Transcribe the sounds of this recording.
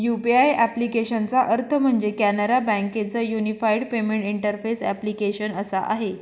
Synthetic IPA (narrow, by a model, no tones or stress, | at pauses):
jupiajæplikeɕənt͡saʔəɾt̪ʰəm̤əɳd͡zekænəɾabæ̃ŋket͡səːjunifajɽpemeɳʈiɳʈəɾfesæ̰plikeɕənəsa̰ʔa̰ɦe